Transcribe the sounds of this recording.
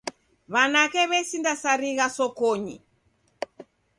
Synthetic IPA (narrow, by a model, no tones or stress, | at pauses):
βanakɛβɛsindasaɾiɣasɔkɔɲḭ